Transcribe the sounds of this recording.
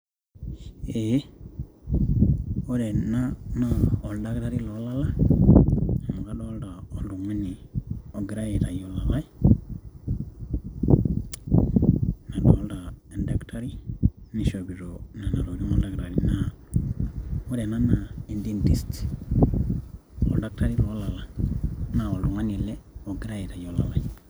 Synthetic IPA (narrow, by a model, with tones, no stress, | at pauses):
e˦ | o˦ɾɛ˨na˦na˨ɔ˨lda˦kɾa˦ɾi˦lɔ˦la˦la˦ | a˨mu˨ka˦ɗɔ˦lda˨ɔ˦ldu˨ŋwɛ˦ni˨ɔ˨ɡɾa˦jɛ˨ta˨jɔ˦la˨la˦i˦ | na˨ɗɔ˨˦lda˨ɛ˨nda˦ktʰa˦ɾi˦ni˨ʃo˨bi˨ɾona˨na˨ɾo˨ɾi˦ŋo˦lda˨ɡɾa˨ɾi˨na | ɔ˦ɾɛ˨na˦na˨i˨ndi˦ɛ˦nti˨st | ɔ̰˨lda˦k̚ta˦ɾi˦lɔ˦la˨la˨na˨o˨ldu˨ŋa˦ni˨lɛ˦ɔ˨ɡɾa˦ji˨ta˨jɔ˦la̰˨la˨j